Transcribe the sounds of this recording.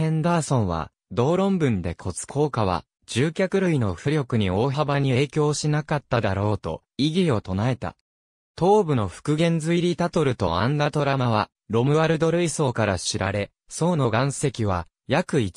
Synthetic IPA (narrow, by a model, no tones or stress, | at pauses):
ẽ̞nd̪aːsõ̞ɰ̃βa̰ | d̪o̞ːɾõ̞mbɯ̟̃nd̪e̞kʰo̞t͡sɨ̥kʰo̞ːkaβ̞a̰ | d͡ʑɨːkʲakɯ̟ɾɯ̟ino̞ɸɯ̟ɾʲo̞kɯ̟ɲ̟io̞ːɦabaɲ̟ie̞ːkʲo̞ːɕinakat̪ːad̪aɾo̞ːt̪o̞̰ | iɡʲio̞t̪o̞nae̞t̪a̰ | t̪o̞ːbɯ̟no̞ɸɯ̟̥kɯ̟ɡẽ̞nd͡zɨiɾʲit̪at̪o̞ɾɯ̟t̪o̞̰ãnd̪at̪o̞ɾamaβa | ɾo̞mɯ̟βaɾɯ̟d̪o̞ɾɯ̟iso̞ːkaɾaɕiɾaɾe̞ | so̞ːno̞ɡãɰ̃se̞kʲiβ̞a | jakɯ̟i